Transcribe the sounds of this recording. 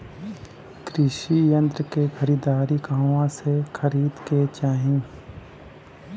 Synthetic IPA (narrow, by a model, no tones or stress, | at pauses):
kɾɪʃijə̃nt̪ɾəkexəɾiːd̪aːɾiɡãːʋãsexʰəɾiːd̪ket͡ʃaːɦĩː